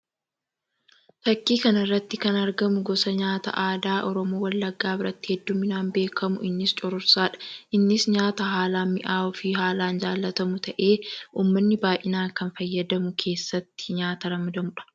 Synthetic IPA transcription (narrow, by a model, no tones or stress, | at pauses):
t̪ɐkːiːkɐnɐrːɐt̪ːɪkɐnɐɾɡɐmʊɡɔsɐɲaːt̪ɐ̰ʔaːd̪aːʔɔɾɔmoːwɐlːɐɡːaːbɪɾɐt̪ːɪ̥hɛd̪ːʊmːɪnaːnbe̞ːkʰɐmʊʔɪnːɪst͡ʃʼɔɾʊɾsaːᶑɐ̥ʔɪnːɪsɲaːt̪ɐɦaːlaːmɪʔaːɔfɪɦaːlaːnd͡ʒaːlːɐt̪ɐmʊt̪ɐʔe̞ːuːmːɐnːɪbaːʔɪnaːkɐnfɐjːɐd̪ɐmʊkʰe̞ːsːɐt̪ːɪ̥ɲaːt̪ɐɾɐmɐd̪ɐmʊᶑɐ̥